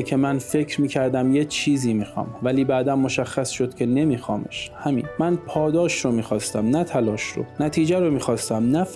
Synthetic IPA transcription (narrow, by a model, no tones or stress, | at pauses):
cʰe̞mænfe̞cʰɾmiːcʰæɾd̪æmjet͡ʃʰiːziːmiːxɒ̰ːmvæliːbæːd̪ænːo̞ʃæxːæsʃo̞d̪̥̚cʰe̞ne̞miːxɒːme̞̰ʃhæmḭːnmænpʰɒːd̪ɒːʃɾomiːxɒːst̪æmnæt̪ʰælɒːʃɾo̰næt̪ʰiːd͡ʒæɾomiːxɒːst̪æmnæf